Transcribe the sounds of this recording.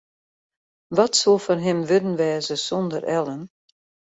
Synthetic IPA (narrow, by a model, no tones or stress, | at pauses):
ʋɔtsolˠfɔnɦɪmʋɪdən̩ʋɛːzəsɔndərʔɛlˠən